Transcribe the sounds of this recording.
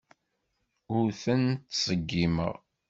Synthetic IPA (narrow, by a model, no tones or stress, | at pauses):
ʊɾθənt̪ːsˤəɡːimə̰ʁ